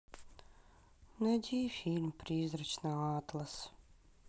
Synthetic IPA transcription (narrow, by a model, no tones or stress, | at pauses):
nɛdʲiːfilʲmpɾiːzɾat͡ʃnaaːt̪lˠas